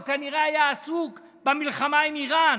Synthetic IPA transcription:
kaniʁeajaːsuk | bamilχamaimiʁan

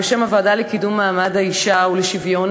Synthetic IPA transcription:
eʃemavad̪alekid̪umːaːmad̪haiʃauleʃivjon

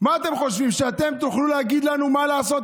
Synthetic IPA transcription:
maːt̪e̞mχo̞ʃvimʃeat̪e̞mt̪uχlulehaɡid̪lanumalaːso̞t̪

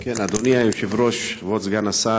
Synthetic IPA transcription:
kenad̪oniajuʃevɾoʃvot͡sɡanasa

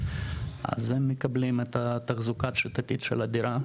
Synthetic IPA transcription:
a̰zemːekɐblimet̪at̪ɐχzukat̪ʃit̪ɐt̪it̪ʃḛlad̪iɾa

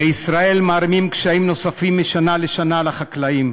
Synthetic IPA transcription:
eisʁae̞lmaːɾimimkʃaimno̞safimːiʃanaleʃanalaχaklaim

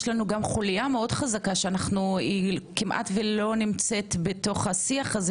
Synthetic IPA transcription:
ʃlanuɡamχulijameo̞dχazakaʃeanaχnuikimʔa̰tvelo̞nimt͡se̞tbeto̞χasiaχaz

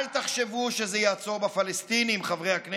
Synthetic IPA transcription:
lt̪aχʃevuʃezejaːt͡so̞ʁbafalest̪iniːmχavʁejhakn

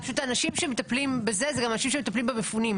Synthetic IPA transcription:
aʃut̪aːnaʃimʃemet̪aplimbezezɛɡamanaʃimʃemet̪aplimbebefunim

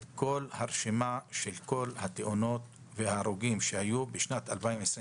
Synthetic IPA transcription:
ko̞lhaʁʃemaʃelko̞lhat̪eʔono̞t̪ | vehaʁuɡimʃehajubeʃnat̪albaimes

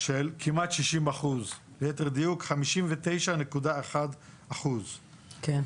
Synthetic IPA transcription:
ʃelkʰimat̪ʃiʃimaχuz | lejet̪eʁd̪ijukχamiʃimvet̪e̞jʃanekud̪aeχad̪ | aχuz | ken

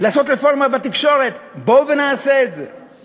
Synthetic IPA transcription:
laːso̞t̪ɾefoʁmabat̪ikʃo̞ʁet̪bovenaːseːze

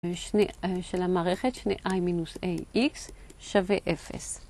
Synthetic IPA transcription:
ʃneʃelamaːʁeχet̪ʃneʔajminusejʔiksʃaveʔefḛs

